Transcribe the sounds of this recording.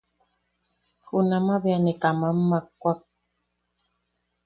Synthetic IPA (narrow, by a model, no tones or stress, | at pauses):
hunamabeanekamamːakːʷak̚